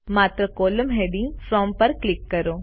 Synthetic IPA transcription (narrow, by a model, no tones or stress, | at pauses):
maːt̪ɾəkoːləmɦeɖĩŋfɾɔːmpəɾklɪkːəɾoː